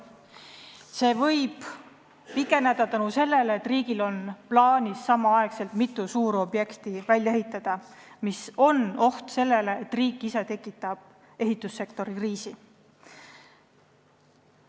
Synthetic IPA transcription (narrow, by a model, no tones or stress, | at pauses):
se̞ːvɤ̞jb̥ | pikːˑe̞næd̪̥ɑt̪ɑnuse̞lːe̞leːt̪ːriːɡ̥ilo̞nplɑːnʲisːɑmɑɑe̞kse̞lt̪mit̪ːˑusuːɾo̞bje̞kt̪ivælʲjɑeɦit̪ːˑɑd̪̥ɑmiso̞no̞ht̪se̞lːe̞le̞ːt̪ːriːkːˑise̞t̪e̞kːˑit̪ːˑɑb̥̚ | e̞ɦit̪ːˑusːe̞kt̪o̞ɾikriːsi